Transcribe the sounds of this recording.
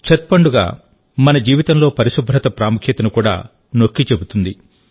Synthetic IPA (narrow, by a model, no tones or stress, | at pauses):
t͡ʃɐt̪̚pɐɳɖuɡa̰ː | mɐnɐd͡ʒiːʋit̪ɐmlo̞ːpɐɾiʃubʱɾɐt̪ɐpɾaːmukʰjɐt̪ɐnukuːɽa̰ː | nokːit͡ʃe̞but̪und̪i